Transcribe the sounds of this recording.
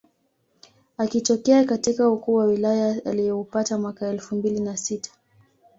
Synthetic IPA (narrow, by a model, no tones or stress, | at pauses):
akitɔkɛakatikaukuːwawilajaalijɛupatamwakaɛlfumbilinasitḁ